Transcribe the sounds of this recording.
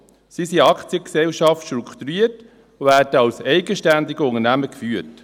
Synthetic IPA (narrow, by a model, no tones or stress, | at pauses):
sisiɑkt͡sjəksɛlʃɑftʃtɾukʰt̪uɾiːəɾt | væːɾdəɑwsɛɪɡəʃtænd̪ɪɡəʊnənæməkfyːəɾt